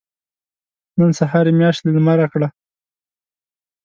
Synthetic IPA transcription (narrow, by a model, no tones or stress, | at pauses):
nənsaɦɑɾemjɑʃt̪lalmaɾakɽa